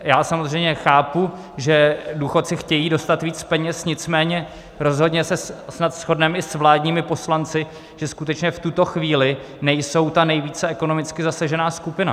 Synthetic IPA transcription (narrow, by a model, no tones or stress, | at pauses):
jaːsamozr̝ɛjmɲɛxaːpu | ʒɛduxo̞t̪̚t͡sɪxcɛjiːdo̞st̪at̪viːt͡spɛɲɛsɲɪt͡smɛːɲɛ | ɾo̞zɦo̞dɲɛsɛsnat̪sxo̞dnɛmʔɪsvlaːdɲiːmɪpo̞slant͡sɪ | ʒ̥ɛskut̪ɛt͡ʃɲɛft̪ut̪o̞xviːlɪ | nɛjso̞wt̪anɛjviːt͡sɛɛko̞nomɪt͡skɪzasaʒɛnaːskupɪna̰